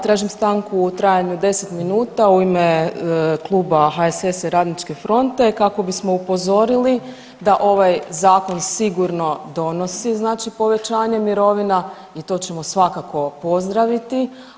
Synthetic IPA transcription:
t̪ɾaːʒimst̪aŋkuːt̪ɾaːjaɲud̪e̞set̪minuːt̪auime | klˠuːbaɦaesesɾaːd̪nit͡ʃke̞fɾo̞nt̪e̞kako̞bismo̞upo̞zo̞ɾili | d̪aʔo̞ʋajzaːko̞nsiɡuɾno̞d̪o̞no̞siznaːt͡ʃipo̞ʋe̞t͡ʃaːɲe̞miɾo̞ʋina | it̪o̞ːt͡ʃe̞mo̞sʋakako̞po̞zd̪ɾaʋit̪i

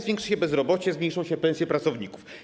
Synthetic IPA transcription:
vʲɛ̃ŋkʂɘ̥ɕɛbɛzɾɔbɔt͡ɕɛzmɲejʂɔ̃w̃ɕɛpɛ̃sʲjɛpɾat̪sɔvɲikuf

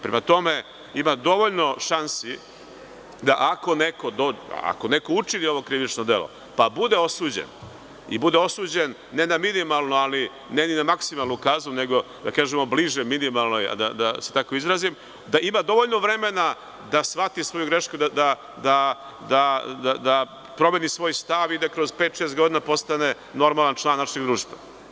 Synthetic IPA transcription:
pɾemat̪o̞me̞ | imad̪o̞ʋo̞ʎno̞ʃansi | d̪aʔako̞neko̞d̪oa̰a̰kone̞kout͡ʃinio̞ʋo̞kɾiʋit͡ʃnod̪e̞lo̰ | pabud̪e̞o̞suːd͡ʑḛn | ḭbud̪eosuːd͡ʑe̞nːe̞naminimalˠnuali | neninamaksimalˠnukaːzune̞ɡo̞ | d̪akaːʒemo̞bliʒeminimalˠnoja̰d̪a̰d̪ase̞̥t̪ako̞izɾazim | d̪aʔimad̪o̞ʋoʎno̞ʋɾe̞me̞na | d̪asʋat̪isʋo̞juɡɾe̞ʃkud̪ad̪a | d̪a | d̪ad̪ad̪a | pɾo̞meːnisʋo̞ːjst̪aʋid̪akɾo̞zpeːt̪ʃest̪ɡo̞d̪inapo̞st̪ane̞ | no̞ɾmalˠant͡ʃlˠaːnːaʃeɡd̪ɾuːʃt̪va̰

